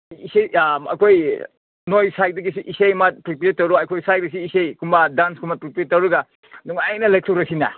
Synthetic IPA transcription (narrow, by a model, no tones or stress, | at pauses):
isejɐ̰kʰoj | nojsajt̚dɐɡisiʔisejmat̚pɾipiɾet̚tːɐwɾuajkʰojsaj̚dɐs̬iːsejkʰumbadanskʰumbapɾipɾet̚ːɐwɾuɡa | nuŋajnɐlaj̚tʰuwɾɐsinɐ̰